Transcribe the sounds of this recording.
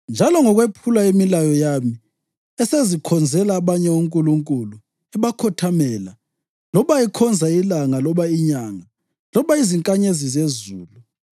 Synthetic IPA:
nd͡ʒʱalɔŋɔɣwepʰulaemilajɔjami | ɛsezikʰɔnd͡zʱɛlaːβaɲɛuŋkʼuluŋkʼulu | ɛβakʰɔtʰamɛːla | lɔβaɛkʰɔnd͡zʱailaŋalɔβaiɲaːŋa | lɔβaiziŋkʼaɲezizezuːlu

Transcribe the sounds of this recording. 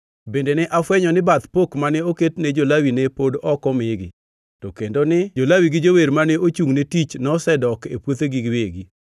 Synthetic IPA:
bendenɛʔafwɛɲɔnɪbat̪pokmanɛoketned͡ʒolawinepodɔkɔmɪɡɪ̰ | tɔkendonɪd͡ʒolawiɡɪd͡ʒoweɾmaneot͡ʃuŋnetit͡ʃnɔsɛdɔkepwot̪eɡiɡweɡi

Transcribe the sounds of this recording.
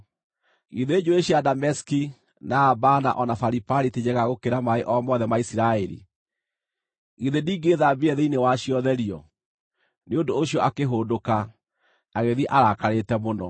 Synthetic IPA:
iðeed͡ʑoeɕiadamɛski | naːbana̰ʔɔnafaɾipaɾited͡ʑɛɣaɣokeɾamaeʔɔmɔðɛmaisiɾaɛɾḭ | iðediːɡeðabeɛðeinewaɕiɔðɛɾiɔ | neondoːɕiɔʔakeɦoːdoka | aɣeðiʔaɾakaɾetɛmonɔ

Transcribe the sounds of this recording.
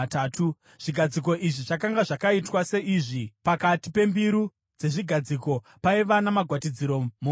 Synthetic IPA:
taːtʰu | ʐ̥iɡʱad͡zik̬o̞ʔiʐiʐakaŋɡaʐakaitwase̞ʔiʐipakatipe̞mbiɾu | d͡ze̞ʐiɡʱad͡ziko̞ | paiʋanamaɡʱwatid͡ziɾo̞mu

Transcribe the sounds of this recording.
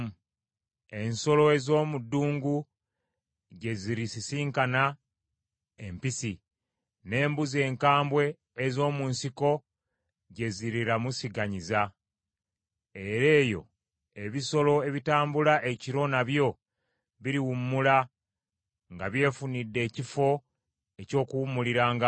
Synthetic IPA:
e̞nso̞lo̞e̞zo̞ːmudːuːŋɡu | ɟe̞ziɾisisiːŋkana | e̞mpisi | ne̞ːmbuze̞ːŋkaːmbwe̞ː | zo̞ːmuːnsiko̞ | ɟe̞ziɾiɾamusiɡaɲiza | e̞ɾe̞ːjo̞̰ | e̞βiso̞lo̞eβitaːmbulaʔeciɾo̞naβjo̞ | βiɾiwumːula | ŋɡaβje̞ːfunidːe̞ːcifo̞ | e̞co̞ːkuwumuliɾaːŋɡa

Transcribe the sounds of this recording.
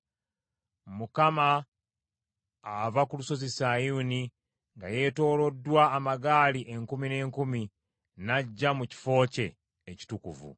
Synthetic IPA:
mukama | vakuluso̞zisajuːni | ŋɡaje̞to̞ːlo̞dːwaːmaɡaːliʔe̞ŋkumine̞ːŋkumi | naɟːamuci̥fo̞ːce̞ː | ci̥tukuvṵ

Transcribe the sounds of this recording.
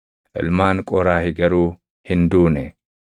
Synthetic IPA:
ʔɪ̰lmaːŋkʼɔɾaːhɪɡɐɾuː | hɪnd̪uːnɛ

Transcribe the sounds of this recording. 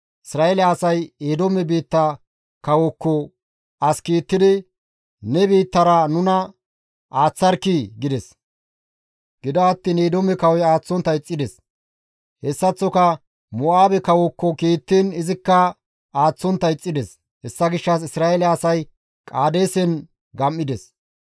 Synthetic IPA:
ʔɪsɾaːɛlːsɐjeːd̪ɔmɛbiːt̪ːɐ | kɐwɔkːɔ | ɐskiːt̪ːɪd̪ɪ | nɛbiːt̪ːɐɾɐnʊnɐ | ʔaːt͡sːɐɾkːiɡɪd̪ɛs | ɡ̥ɪd̪ɐɐt̪ːiːneːd̪omɛkɐwɔjaːt͡sːɔnt̪ːɐjt͡sʼːɪd̪ɛs | hɛsːɐt͡sːɔkɐ | mɔaːbɛkɐwɔkːɔkiːt̪ːiːnɪzɪkːɐ | aːt͡sːɔnt̪ːɐjt͡sʼːɪd̪ɛs | hɛsːɐɡɪʃːɐs̬ɪsɾaːelɛːsɐj | kʼaːd̪e̞ːsɛn | ɡɐmːɪd̪ɛs

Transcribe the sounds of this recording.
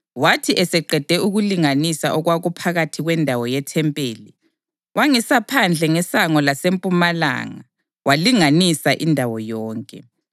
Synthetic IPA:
watʰiʔɛsɛǃɛd̥ʱɛuɣuliŋanisaʔɔɣwaɣupʰaɣatʰiɣwɛndʱawɔjɛtʰɛmpʼeːli | wʔaŋisapʰand͡ɮʱɛŋɛsaŋɔlasempʼumala̰ːŋa | waliŋanisaʔindʱawɔjɔːŋkʼɛ̰

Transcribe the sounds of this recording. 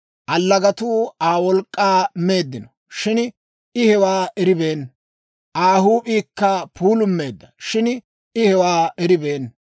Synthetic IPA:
ʔɐlːɐɡɐt̪uːaːwɔlkʼːaːmeːd̪ːɪnɔ | ʃɪn | ɪhɛwaːɛɾɪbeːn | ʔaːhuːpʼiːkːɐpuːlʊmːe̞ːd̪ːɐʃɪn | ɪhɛwaːɛɾɪbeːn

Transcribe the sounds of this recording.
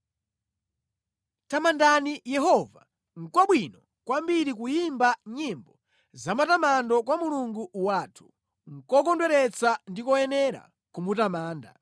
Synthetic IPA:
tamandanijɛɦɔva̰ | ŋ̩kwaɓwinɔ | kwambiɾikujimbaɲimbɔ | zamatamandɔkwamuluŋɡuwaːtʰu̥ | ŋ̩kɔkɔndwɛɾɛt͡sandikɔɛnɛɾa̰ | kumutamaːnda̰

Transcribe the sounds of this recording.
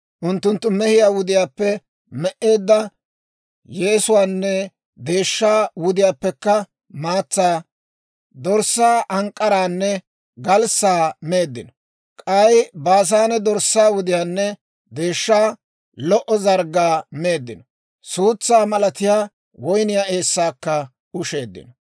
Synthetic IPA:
ʔʊnt̪ːʊnt̪ːʊmɛhɪjaːwʊd̪ɪjaːpːɛ | mɛʔe̞ːd̪ːɐ | jeːsʊwaːnːɛ | d̪e̞ːʃːaːwʊd̪ɪjaːpːɛkːɐ | maːt͡sːaː | d̪ɔɾsːaːʔɐŋkʼːɐɾaːnːɛ | ɡɐlsaːme̞ːd̪ːɪnɔ | kʼɐjbaːs̬aːnɛd̪ɔɾsːaːwʊd̪ɪjaːnːɛ | d̪e̞ːʃːaː | lɔʔɔzɐɾɡaːme̞ːd̪ːɪnɔ | suːt͡sːaːmɐlɐt̪ɪjaː | wɔjnɪjaːe̞ːsːaːkːɐ | ʊʃe̞ːd̪ːɪ̰nɔ

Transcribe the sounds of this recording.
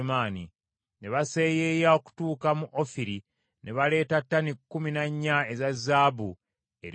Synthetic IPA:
maːni | ne̞βase̞ːjeːjao̞ku̥tuːkamuʔofiɾi | nʔe̞βale̞ːtatːanikːuminaɲːae̞zazːaːbu | ḛɾ

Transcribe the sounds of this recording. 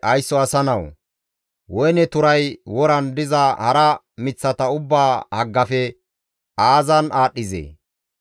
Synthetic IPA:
ʔɐjsːɔɐsɐnɐw | wɔjnɛt̪ʊɾɐjwɔɾɐnd̪ɪzɐhɐɾɐ | mɪt͡sːɐt̪ɐʊbːaːhɐɡːɐfɛ | aːzɐnaːɗːɪzḛː

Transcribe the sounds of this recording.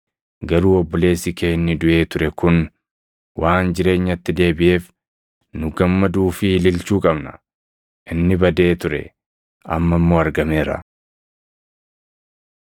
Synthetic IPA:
ɡɐɾuːɔbːɔle̞ːsɪkʰeːnːɪd̪ʊʔe̞ːt̪ʊɾɛkʊn | wʔaːnd͡ʒɪɾe̞ːɲːɐt̪ːɪd̪e̞ːbɪʔe̞ːf | nʊɡɐmːɐd̪uːfɪlɪlt͡ʃuːkʼɐbnɐ̰ | ʔɪnːɪbɐd̪e̞ːt̪ʊɾɛ̰ | ɐ̰mːɐmːo̞ːɐɾɡɐmeːɾɐ̰

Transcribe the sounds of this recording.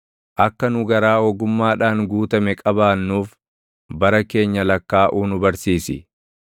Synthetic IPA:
ʔɐkːɐnʊɡɐɾaːɔɡʊmːaːᶑaːŋɡuːt̪ɐmɛkʼɐbaːnːuːf | bɐɾɐke̞ːɲːɐlɐkːaːʔuːnʊbɐɾsiːsɪ̰

